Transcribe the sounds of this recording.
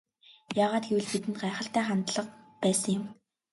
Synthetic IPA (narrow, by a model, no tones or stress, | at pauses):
jaːʁaːt̪̚ɡewɘ̆ɮpit̪ɘ̆nt̪ɢaːχə̆ɬt̪æːχant̪ɮə̆q̚pæːsə̆ŋjʊ̆m